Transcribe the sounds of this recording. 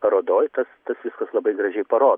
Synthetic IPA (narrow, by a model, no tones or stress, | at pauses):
ɐɾoːd̪oːjt̪ɐst̪ɐsʋʲɪskɐslˠɐbɐɪɡɾɐʒʲɛɪpɐɾoːd